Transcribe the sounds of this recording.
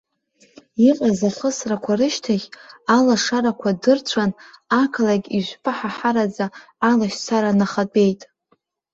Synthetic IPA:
iqʼazaχəsrakʷʰarɨʃtʰaχʲalaʂaɾakʷʰadɨrt͡ɕʷʰanakʰlaɡʲiʒʷpʰʼɨħaħaɾad͡zaː | laʃt͡sʰaɾanaχat͡pʼe̞jtʼ

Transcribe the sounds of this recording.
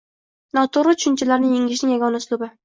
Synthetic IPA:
nɒt̪ʰʊɾɪt̪ʰʊ̥ʃɪnt͡ʃʰɪlaɾnɪjeŋɪʃnɪŋjaɡʲɒnaslʊbɪ

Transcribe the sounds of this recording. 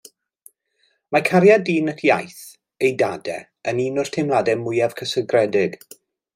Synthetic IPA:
makʰaɾjadiːnətʰjajθ | ejdadɛ | əniːnʊr̥tʰemladɛmʊjav̥kʰəsəɡrɛdɪɡ̥

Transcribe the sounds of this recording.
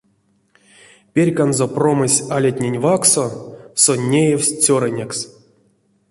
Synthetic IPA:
pʲerʲkanzopro̞mɨsʲalʲat̪ʲnʲenʲvaksosonʲːejewʲsʲt͡sʲoɾənʲeks

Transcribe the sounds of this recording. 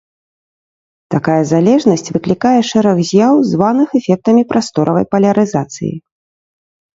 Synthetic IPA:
t̪akajɐzalʲɛʐnɐsʲt͡sʲvɨklʲikajɛʂɛɾɐɣzʲjawzvanɨxɛfʲɛk̚t̪ɐmʲipɾʔast̪ɔɾʔɐvɐ̰jpɐlʲɐɾɨzat̪sɨ̰jḭ

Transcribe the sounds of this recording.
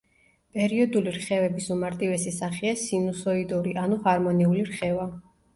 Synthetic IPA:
pʼɛɾiɔd̪uliɾχɛvɛbisumaɾt̪ʼivɛsisaχiasinusɔid̪uɾiʔanuhaɾmɔniuliɾχɛva

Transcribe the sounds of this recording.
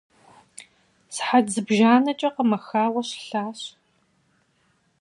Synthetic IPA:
sħad͡zɨbʒaːnɐt͡ʃʼɐqəmɐxaːwɐɕɬaːɕ

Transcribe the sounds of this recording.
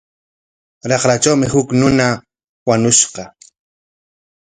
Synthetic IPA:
ɾɑχɾat͡ʃawmɪhʊknʊna | wanʊʃqɑ

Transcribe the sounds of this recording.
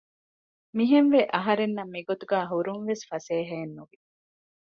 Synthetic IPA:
miɦenʋeʔɐɦɐɾenːɐmːiɡot̪uɡæːɦuɾunʋesfɐseːɦɐenːuʋi

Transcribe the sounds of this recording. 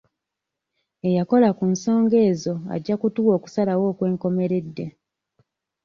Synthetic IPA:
e̞jako̞lakunso̞ːŋɡe̞ːzo̞a̰ɟːakutuwo̞ːku̥salawo̞ːkwe̞ːŋko̞me̞ɾe̞dːe̞

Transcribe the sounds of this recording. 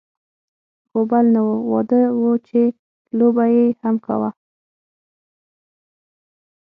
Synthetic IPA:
xobalnawəwɔ̰d̪əwət͡ʃe | lobajehamka̰wa

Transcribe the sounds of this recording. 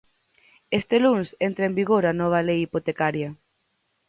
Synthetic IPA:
est̪elunsent̪ɾɐembiɣoɾanɔβ̞ɐlejipot̪ekaɾjɐ

